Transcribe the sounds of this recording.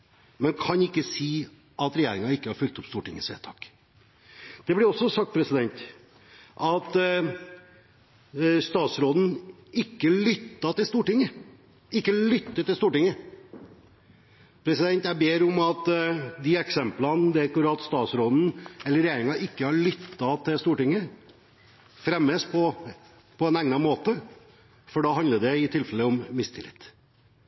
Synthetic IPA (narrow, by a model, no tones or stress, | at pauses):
mɛnkʰɑnɪkːəsiː | ʔɑt̪ɾɛjeːɾɪŋɑɪkːəhɑɾfʏk̚t̪ɔpst̪uːʈɪ̰ŋːəsḛːt̪ʰɑ̰ːk | d̪̥ɛblɪɾɔsːɔsɑkt̪pʰɾɛsɪd̪ɛnt̪ | ʔɑt̪ | st̪ɑːt̪sɾoːd̪n̩ | ɪkːəlʏt̪ːɑt̪ɪlst̪uːʈɪŋːə | ɪkːəlʏt̪ːət̪ɪlst̪uːʈɪŋːə | pʰɾɛsɪd̪ɛnt̪jæɪbeːɾɔmɑt̪d̪ɪɛksɛmplɑnd̪ɛkʊɾɑt̪st̪ɑːt̪sɾoːd̪n̩ɛlːəɾɛjeːɾɪŋɑʔɪkːəhɑɭʏt̪ːɑt̪ʰɪlst̪uːʈɪŋːə | fɾɛməspʰɔ | pʰɔɛnɛŋnɑmoːt̪ə | fɔɖɑhɑnd̪əd̪ɛɪt̪ʰɪlfɛlːəɔmːɪst̪ʰɪlɪ̰t̪ː